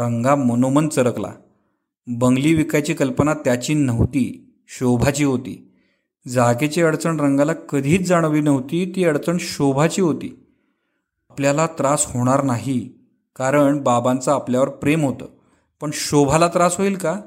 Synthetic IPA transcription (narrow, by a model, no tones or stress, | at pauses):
ɾəŋɡamənomənt͡səɾəkla̰ | bəŋɡliːʋikat͡ɕiːkəlpənat̪jat͡ɕiːnəʋt̪iː | ɕobʱat͡ɕiːɦot̪ḭː | d͡zaket͡ɕeəɽt͡səɳɾəŋɡalakəd̪ʱiːt͡sd͡zaɽ̃ʋiːnəʋt̪iːt̪iːəɽt͡səɳɕobʱat͡ɕiːɦot̪iː | apljalat̪ɾashoɽ̃aɾnaɦi | kaɾəɳbabant͡saːpljaʋəɾpɾemɦot̪ə̰ː | pəɳɕobʱalat̪ɾasɦoiːlka